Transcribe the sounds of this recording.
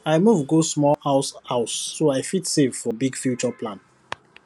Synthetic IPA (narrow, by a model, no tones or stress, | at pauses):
aɪmuvɡosmɔlaʊsaʊsːoaɪfitsevfɔbiɡfjut͡ʃɔpʰlãn